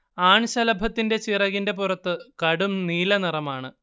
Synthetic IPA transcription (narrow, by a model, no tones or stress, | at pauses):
aːɳɕɐlɐbʱɐt̪ːinde̞t͡ɕirɐɣinde̞purɐt̪ːɨkɐɽumniːlɐnirɐmaːɳɨ